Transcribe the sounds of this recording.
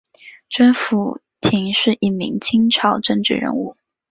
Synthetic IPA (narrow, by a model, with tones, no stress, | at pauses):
ʈ͡ʂə˥nfu˧˥ | t̪ʰi˧˥ŋʂɻ̩˥˧ʔi˥˩mḭ˧˥ŋt͡ɕʰi˥ŋʈ͡ʂʰɑ˨˥ʊʈ͡ʂɤ˥˧ŋʈ͡ʂɻ̩˥˩ɻə̰˧˥nu˥˩